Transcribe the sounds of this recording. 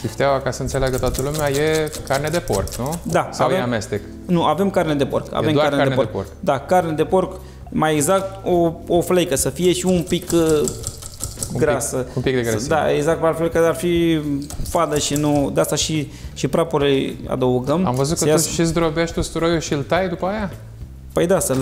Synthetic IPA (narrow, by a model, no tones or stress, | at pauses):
ʃiʃt̪eawakasəɨntseleaɡət̪oat̪əlumeajekarned̪epo̰rknud̪asaeamest̪ek | nuʔave̞mkarned̪e̞po̞̰rka̰vemd̪akaɾrned̪enpoeporkd̪akarned̪e̞po̞rk | majeɡzak̚t̪ooflejkəsəfije̞ʃiumpik | ɡɾasəũmpik̚d̪eɡɾsd̪a̰ʔeɡzak̚t̪palflejkəarfi | fad̪əʃinud̪east̪aʃi | ʃipɾapuɾlea̰d̪əuɡəma̰mvəzut̪̚kəʃisd̪ɾobeʃt̪ust̪uɾojuʃiɨlt̪ajd̪upəaja | pəjd̪asəl